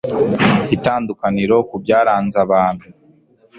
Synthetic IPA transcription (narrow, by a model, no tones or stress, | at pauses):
itaːndukaniɾo̞kubjaːɾaːnzaβaːnhu